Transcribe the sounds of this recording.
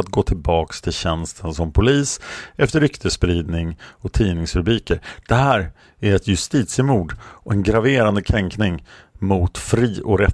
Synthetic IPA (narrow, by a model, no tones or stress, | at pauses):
at̪̚ɡoːt̪ʰɪlbɑːkst̪ʰɪlɕɛnst̪ʰənsɔmpʰʊliːsɛft̪əɾʏkt̪ʰəspɾiːd̪nɪŋɔt̪ʰiːnɪŋsɾɵbɾiːkəɾd̪̥ɛɦæːɾ | æɾɛt̪jɵst̪iːt̪sɪmuːɖɔɛnɡɾaveːɾand̪əkʰɾɛŋknɪŋmʊt̪fɾiːʔɔɾɛ